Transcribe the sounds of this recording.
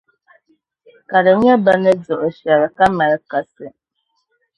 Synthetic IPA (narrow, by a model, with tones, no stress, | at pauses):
ka˨ɾə˨˦ɲ˦ə˦ba˦nə˦d͡zɔ˨ʔɔ˨ʃja˨ɾə˨ka˦ma˨ɾə˨ka˨sə˨